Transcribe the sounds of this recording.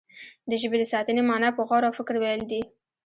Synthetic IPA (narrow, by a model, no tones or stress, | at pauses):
d̪əʒəbed̪əsɑt̪ənemɑnapəɣɑɾawfɪkɾwejld̪i